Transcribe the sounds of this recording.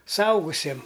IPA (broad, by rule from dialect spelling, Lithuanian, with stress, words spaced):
sʊˈɐʊɡʊsʲiɛm